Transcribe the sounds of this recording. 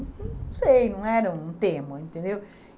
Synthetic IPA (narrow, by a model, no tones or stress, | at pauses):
t̪nɐ̃w̃sejnɐ̃w̃ɛɾɐũt̪ẽmɐẽnt̪ẽnd̪ew